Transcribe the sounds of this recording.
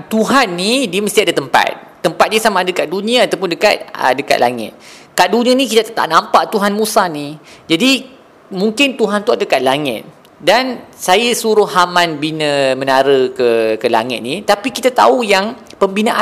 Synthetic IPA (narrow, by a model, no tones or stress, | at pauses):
t̪uɦanːidiəməst̪iadat̪əmpa̰t̪̚ːəmpat̪̚diasamadakaʔ̪̚dunĩãːt̪awp̬ʊndəka̰t̪̚ə̰dəka̰t̪̚lʔa̰ŋɪ̰t̪̚ | kaʔ̚dunĩanikit̪at̪at̪a̰ʔnãmpaʔt̪uɦanmusanid͡ʒadi | mũŋkɪnt̪uɦant̪uaddəkat̪̚laŋɪ̰t̪̚ | dansajasuɾʊhhamãnbinə̃mənaɾəkəkəla̰ŋɪt̪̚nit̪apikit̪at̪a̰ujaŋ | pəmbinãʔa